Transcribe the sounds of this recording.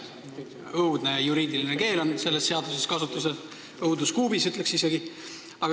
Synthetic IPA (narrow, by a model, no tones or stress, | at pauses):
ɤwd̪̥ne̞juɾiːd̪iline̞ke̞ːlo̞nse̞lːe̞sːe̞ɑd̪̥use̞skɑsut̪ːˑuse | ɤwd̪uskuːbisyt̪ˑle̞ksise̞ɡi | ɑɡ